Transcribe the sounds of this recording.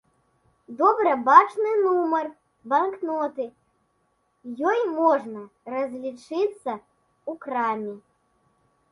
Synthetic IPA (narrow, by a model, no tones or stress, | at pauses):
d̪ɔbɾɐbat͡ʂnɨnumɐr | bɐnknɔt̪ɨ | jɔjmɔʐnɐrɐzʲlʲit͡ʂɨt̪sːɐ | ukɾamʲi